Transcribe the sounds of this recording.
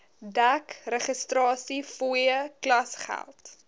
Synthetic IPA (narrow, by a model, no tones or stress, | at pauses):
dækrəχəstrɑːsifujəklɐsχæ̰lˠt